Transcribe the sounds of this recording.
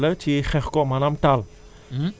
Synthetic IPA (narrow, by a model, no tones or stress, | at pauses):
lətʰiχɛχkɔmanamtal